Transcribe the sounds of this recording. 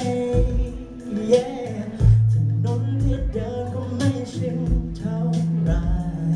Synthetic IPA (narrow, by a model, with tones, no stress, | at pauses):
jɛː˧˥˩ | t̪ʰi˨˩no˧˥nt̪ʰi˧˩t͡ɕaː˧˥kɔ˧˥˩ma˥˩jsi˧˩˥ŋ˨t͡ɕʰa˧˥˩wɾa˧˩